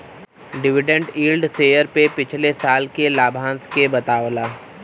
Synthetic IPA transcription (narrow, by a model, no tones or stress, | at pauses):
ɖɪʋɪɖə̃ɳɖiːlɖseːjəɾpepɪt͡ʃʰlesaːlkelaːbʱãːnskebɐt̪aːʋlaː